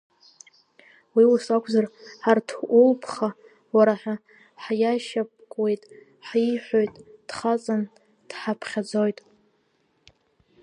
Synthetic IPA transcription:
wiwusakʷʰzarħartʰʊlpʰχa | waɾaħa | ħjaʃap̚ʼkʼwe̞jtʼ | ħiħʷojtʼd̥χat͡sʼan | d̥ħapʰχʲad͡zojtʼ

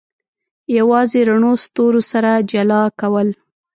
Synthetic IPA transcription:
jawɑzeɾaɳost̪oɾosaɾad͡ʒalɑkawəl

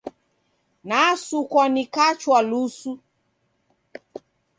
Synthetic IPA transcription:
nasukɔnikat͡ʃwalusu

